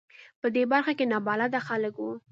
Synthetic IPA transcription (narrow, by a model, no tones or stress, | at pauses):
pəd̪ebaɾxakenɑbɑlad̪axaləkwu